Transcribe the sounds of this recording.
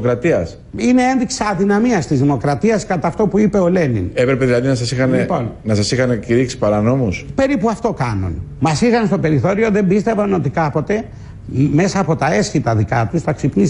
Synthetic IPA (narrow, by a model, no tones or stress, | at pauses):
kɾɐt̪iɐs | ine̞enðiksɐðinɐmiɐst̪izðimo̞kɾɐt̪iɐskɐt̪ɐft̪o̞puipe̞o̞le̞nḭnepɾepeðilɐðinɐsɐsixɐneponnɐsɐsixɐneciɾiksi̥pɐɾɐno̞muspe̞ɾipuɐft̪o̞kɐnṵnmɐsiɣɐnst̪o̞pe̞ɾiθo̞ɾio̞ðe̞mbist̪e̞vɐno̞t̪ikɐpo̞t̪e̞ | me̞sɐːpo̞t̪ɐe̞sçit̪ɐðikɐt̪usθɐksipnis